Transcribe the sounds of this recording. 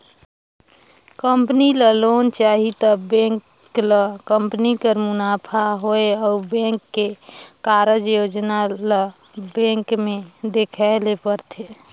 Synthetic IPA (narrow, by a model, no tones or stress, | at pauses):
kəmpniləlont͡ʃaɦit̪əbẽŋk | ləkəmpnikəɾmʊnaːpʰaɦoeɔːbẽŋkːekaɾəd͡ʒjod͡ʒnalə | bẽŋkmed̪ekʰaɪlepəɾt̪ʰe